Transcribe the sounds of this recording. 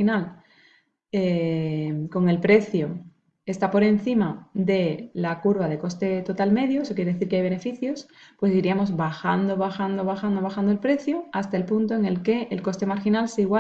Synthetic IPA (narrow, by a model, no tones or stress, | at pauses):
inal | e | ko̞ŋe̞lpɾe̞θjo | e̞st̪apo̞ɾe̞n̟θimaðe̞lakuɾβað̞e̞ko̞st̪e̞t̪o̞t̪alme̞ðjoeso̞kjeɾee̞θiɾkeajβene̞fiθjo̞spwe̞siɾiamo̞zβaxand̪oβaxand̪oβ̞axand̪oβaxand̪oelpɾe̞θjoast̪aelpunt̪oeŋe̞lke̞ʔːlko̞st̪e̞maɾxinalseiɣwa